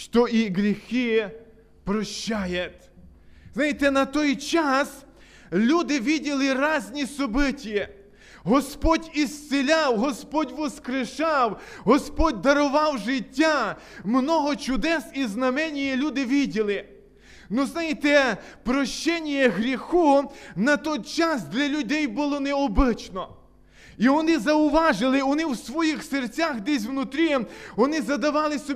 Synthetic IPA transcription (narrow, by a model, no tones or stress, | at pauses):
ʃt̪ɔʔiɦɾʲixɪ | pɾɔʃt͡ʃːajɛt̪ʲznajɪt̪ɛnɐt̪ɔjt͡ʃas | lʲud̪ɪʋʲidʲilˠɪɾɑzʲnʲisɔbɪtʲi | ɦɔspɔdʲist̪sɪlʲawɦɔspɔdʲʋɔskɾɪʃɑwɦɔspɔdʲd̪ɐɾɔʋɑwʒɪtʲːa | mnɔɦɔt͡ʃʊd̪ɛsiznɐmɛnʲijɛlʲud̪ɪʋʲidʲilˠɪ | nuznajɪt̪ɛ | pɾɔʃt͡ʃɛnʲijɛɦɾʲixunɐt̪ɔjt͡ʃasd̪lʲɐlʲʊdʲɛjbʊlˠɔnɛɔbɪt͡ʃnɔ | iʋɔnɪzɐʊʋɑʒɪlˠɪʋɔnɪwsʋɔjixsert͡sʲaxd̪ɛs̬ʲwnʊt̪ɾʲiʋɔnɪzɐd̪ɐʋɑlˠɪsɔ